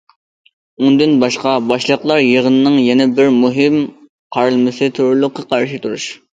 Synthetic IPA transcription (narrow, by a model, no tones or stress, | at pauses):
und̪ynbɑʃqɑbɑʃlˠəqlˠɑɾjeʁənɨnɨŋjɛnɛbɪɾmuɦɪm | qʰɑɾɨlˠmɨsɨt̪ʰuɾulˠʊqʰːɑqʰɑɾʃɪt̪ʰuɾuʃ